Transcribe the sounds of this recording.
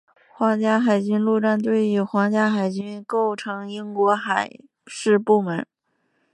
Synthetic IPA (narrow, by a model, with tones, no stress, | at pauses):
xwɑ˧˥ŋt͡ɕja˥xa˨˩ɪt͡ɕy˥nlu˥˧ʈ͡ʂa˥˧nt̪we˥˧ɪi˥˩xwɑ˧˥ŋt͡ɕja˥xa˨˩ɪt͡ɕy˥nko˥˩ʊʈ͡ʂʰɤ˧˥ŋi˥ŋkwɔ˧˥xa˨˩ɪ | ʂɻ̩˥˧pu˥˩mə˧˥n